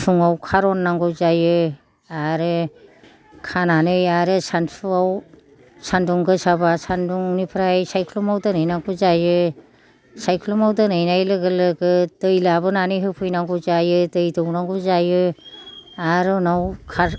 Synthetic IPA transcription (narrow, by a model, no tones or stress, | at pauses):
sʰuŋawkʰaɾɔnːaŋɡɯzajɯ | aɾɯ | kʰananɯjaɾɯsansʰuaw | sandɔŋɡɯsabasanduŋnipʰɾajsajkʰlɔmawdɯnɯjnaŋɡɯzajɯ | sajkʰlɔmawdɯnɯjnajlɯɡɯlɯɡɯd̥ɯjlabɯnanɯjɦɯpʰɯjnaŋɡɯzajɯdɯjdɔwnaŋɡɯzajɯ | aɾɯnawkʰaɾ